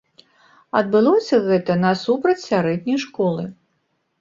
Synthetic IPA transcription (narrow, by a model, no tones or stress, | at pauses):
ɐd̪̚bɨlˠɔsʲɐɣɛt̪ɐnɐsupɾɐt͡sʲsʲaɾɛd̪ʲnʲɐjʂkɔlˠɨ